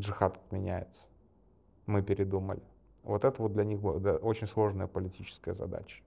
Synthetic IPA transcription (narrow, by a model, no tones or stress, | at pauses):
ʐɨxat̪ə̥t̪mʲɪnʲæjɪt̪sə̥ | mɨpʲɪɾʲɪd̪umə̰lʲɪ | vot̪ɛt̪əvod̪̚d̪lʲɐnʲixbd̪ʔo̞t͡ɕɪnʲslˠo̞ʐnəjəpəlʲɪtʲit͡ɕɪ̥skəjəzɐ̰d̪a̰t͡ɕə̥